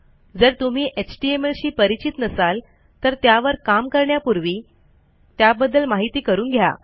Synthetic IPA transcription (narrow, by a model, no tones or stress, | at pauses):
d͡zəɾt̪um̤iːʔet͡ɕʈiemelɕiːpəɾit͡ɕit̪nəsal | t̪əɾt̪jaʋəɾkamkəɾɳjapuɾʋiː | t̪jabəd̪ːəlmaɦit̪iːkəɾuːnɡʱja̰